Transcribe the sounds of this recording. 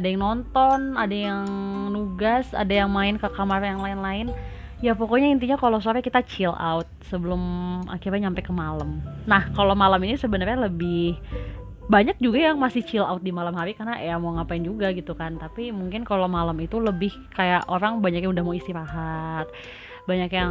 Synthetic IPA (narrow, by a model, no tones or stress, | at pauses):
adajaŋnɔnt̪ɔnadajaŋnuɡasa̰dajaŋmaɪnkəkamarjaŋlaɪnlaɪn | japokoɲaint̪̬iɲakalos̬oɾɛkit̪at͡ʃila̰ut̪̚səbəlʊma̰kiɾɲaɲampɛkəmaləmnahkalomalaminisəbənərɲaləbɪh | baɲak̚d͡ʒuɡajaŋmasɪht͡ʃila̰ut̪̚dimalamɦaɾikarnaʔeamaŋapaɪnd͡ʒuɡaɡit̪ukant̪apimuŋkɪnkalomalamit̪uləbɪh | kajaʔoɾaŋbaɲakjaŋudahmawist̪iɾaɦat̪̚ | baɲakja